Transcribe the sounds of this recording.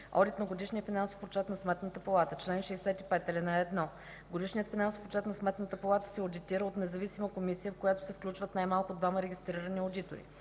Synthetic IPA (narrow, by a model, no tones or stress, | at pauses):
ɔ̰d̪it̪nɐɡod̪iʃniəfinansofott͡ʃɛt̪nɐsmɛt̪nət̪əpɐlˠat̪ət͡ʃlɛnʃɛjsɛt̪ipɛt̪ɛlʲɛnaɛɛd̪nɔ | ɡod̪iʃnijət̪finansofot͡ʃɛt̪nɐsmɛt̪nət̪əpɐlˠat̪ə̥sɛod̪it̪iɾəot̪nɛzɐvisiməkomisijəfkojat̪ʊ̥sɛfklʲut͡ʃvət̪najmalˠkʊd̪vaməɾɛɡʲist̪ɾiɾəniod̪it̪o̰ɾḭ